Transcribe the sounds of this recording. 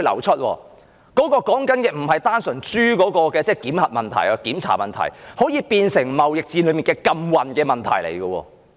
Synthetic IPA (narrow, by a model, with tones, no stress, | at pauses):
lɐ̰˨˩wt͡sʰə˥t̚wɔ̰ː˧ | kɔː˨˥kɔː˧kɔː˨˥ŋkɐ˨˥nkɛ˨m̩˨˩ɦɐ˨jt̪aː˥nsɵ˨˩nt͡syː˥kɔː˨˥kɔː˧kɛː˧t͡sɛː˥˩kiː˨˥mhɐ˨t̚mɐ˨nt̪ʰɐ̰˨˩jaː˧kiː˨˥mt͡sʰa̰ː˨˩mɐ˨nt̪ʰɐ̰˨˩jhoː˨˥jiː˧piː˧nsɪ˨˩ŋmɐ˨wjɪ˨k̚t͡siː˧nlɵ˨˧˥mi˨nkɛː˧kɐ˧mwɐ˨nkɛː˧mɐ˨nt̪ʰɐ̰˨˩jlḛ˨˩jɡɔ˧wɔ̰ː˧